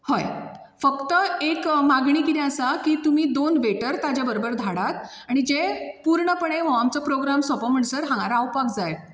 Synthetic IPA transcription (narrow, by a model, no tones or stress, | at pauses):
hoj | fəkt̪əekmaɡɳiːkiɾeəsakiːt̪um̤iːd̪onʋeʈəɾt̪ad͡ʑjabəɾobəɾd̪ʱaɽat̪ | aɽ̃id͡ʑepuɾɳəpəɽeʋəʋamt͡səpɾoɡɾamsɔpəməɳsəɾɦãŋaɾaːwpakd͡zaj